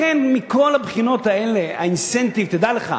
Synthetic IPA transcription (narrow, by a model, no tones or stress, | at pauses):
enmiko̞labχino̞t̪aelea̰insent̪ivt̪ed̪aleχa̰